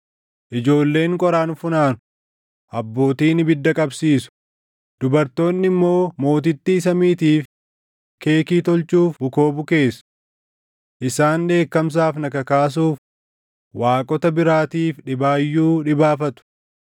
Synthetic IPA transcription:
ʔɪd͡ʒo̞ːlːe̞ːŋkʼɔɾaːnfʊnaːnʊ | ʔɐbːo̞ːt̪iːnɪbɪd̪ːɐkʼɐbsiːsʊ̥ | d̪̥ʊbɐɾt̪o̞ːnːɪmːo̞ːmo̞ːt̪̬ɪt̪ːiːs̬ɐmiːt̪iːf | ke̞ːkiːt̪ɔlt͡ʃuːfbʊko̞ːbʊke̞ːs | ʔɪsaːnd̪e̞ːkːɐms̬aːfnɐkɐkaːs̬uːf | waːkʼɔt̪ɐbɪɾaːt̪iːfᶑɪbaːjːuːᶑɪbaːfɐt̪ʊ̥

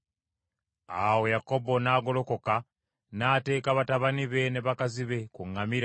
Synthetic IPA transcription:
awo̞jako̞bo̞naːɡo̞lo̞ko̞ka | naːte̞ːkaβataβaniβe̞ne̞βakaziβe̞kuŋːamiɾa

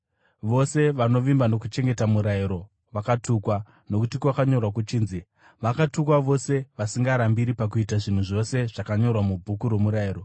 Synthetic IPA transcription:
ʋo̞se̞ʋano̞ʋimbano̞kut͡ʃe̞ŋɡe̞tamuɾaiɾo̞ | ʋakatuːkwa | no̞kutikwakaɲo̞rwakut͡ʃiːnzi | ʋakatukwaʋo̞se̞ʋasiŋɡaɾambiɾipak̬uitaʐin̤uʐo̞se̞ʐ̥akaɲo̞rwamubʱukuɾwe̞muɾaiːɾo̞

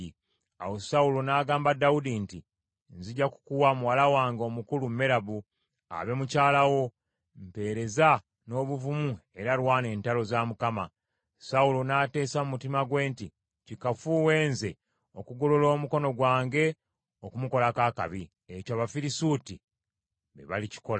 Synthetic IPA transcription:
a̰wosaulo̞naːɡaːmbadaudinti | nziɟaku̥kuwamuwalawaːŋɡo̞mukulumme̞ɾaβu | a̰βe̞mucaːlawo̞ | mpe̞ːɾe̞za | no̞ːβuvumue̞ɾalwaːne̞ːntalo̞zaːmukama̰ | saulonate̞ːsamumutimaɡwe̞ːnti | cikafuwe̞ːnze̞ | o̞kuɡo̞lolo̞ːmuko̞no̞ɡwaːŋɡe̞ | okumuko̞lakaːka̰βi | ecaːβafiɾisuti | βḛβa̰lici̥ko̞la

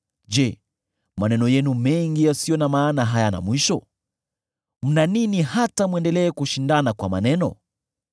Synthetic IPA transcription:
d͡ʒɛ | manɛnɔjɛnumɛŋɡijasijɔnamaːnaɦajana̰mwiʃɔ | m̩naninihatamwɛndɛlɛːkuʃindanakwa̰ma̰nɛnɔ̰

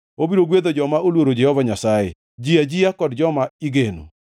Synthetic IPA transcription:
obiɾoɡwed̪od͡ʒɔmaolwoɾod͡ʒɛhɔvaɲasajḛ | d͡ʒiad͡ʒiakɔdd͡ʒɔmaiɡeno̰

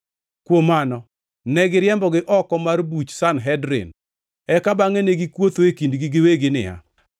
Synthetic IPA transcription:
kwomanɔ | nɛɡɪɾjɛmbɔɡɪʔɔkɔmarbut͡ʃsanɦɛdɾɪ̰n | ɛkabaŋeneɡɪkwot̪oekindɡɪɡɪweɡɪnɪ̰a̰

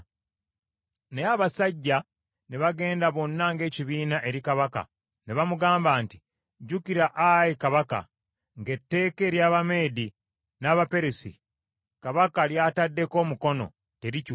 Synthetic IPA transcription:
neaβasaɟːa | neβaɡe̞ːndaβo̞nːaŋɡe̞ːciβiːnaʔe̞ɾikaβaka̰ | neβamuɡaːmbaːnti | ɟukiɾaʔajikaβaka̰ | ŋɡe̞tːe̞ːke̞ːɾjaːβame̞ːdi | naːβape̞ɾesḭ | kaβakaljaːtadːe̞ko̞ːmuko̞no̞̰ | te̞ɾic

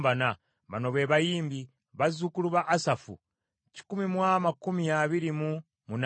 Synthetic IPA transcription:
bana | βa̰no̞βe̞ːβajiːmbi | βazukuluβaʔːsafṵ | ci̥kumimwamakumijaβiɾimu | mun

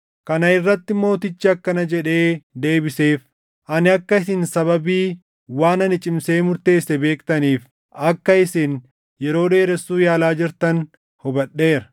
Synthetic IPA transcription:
kɐnɐɪrːɐt̪ːɪmo̞ːt̪ɪt͡ʃːɪɐkːɐnɐd͡ʒɛᶑe̞ːd̪e̞ːbɪse̞ːf | ʔɐnɪɐkːɐɪs̬ɪnsɐβɐbiː | waːnɐnɪt͡ʃʼɪmse̞ːmʊɾt̪e̞ːsːɛbe̞ːkt̪ɐniːf | ɐkːɐɪsɪn | jɛɾo̞ːᶑ̪e̞ːɾɛsːuːjaːlaːd͡ʒɪɾt̪ɐn | hɔbɐɗːe̞ːɾɐ̥

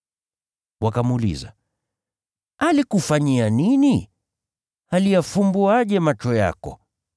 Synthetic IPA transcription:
wakamulḭza̰ | alikufaɲianini | halijafumbuaʄɛmat͡ʃɔja̰kɔ̰

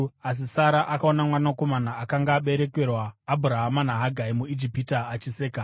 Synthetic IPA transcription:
as̬isaɾaʔakao̞namwanako̞manaakaŋɡaːɓe̞ɾe̞ke̞rwaːbʱuɾaɦamanaɦaɡʱaimuid͡ʒipitaːt͡ʃiseːka

